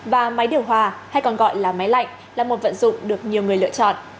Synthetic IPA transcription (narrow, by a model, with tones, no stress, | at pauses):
vaː˨˩ma˨˦jɗi˨˩əwɦwaː˨˩ha˧jkɔ˨˩nɣɔ̰˧˨jlaː˨˩ma˨˦jla̰˧˨jŋ̟ | laː˨˩mo˨˩t̚və̰˧˨nzʊ̰˧˨ŋ͡mɗɨ˨˩ək̚ɲi˨˩əwŋɨ˨˩əlɨ̰˧˨ət͡ɕɔ̰˧˨nʔ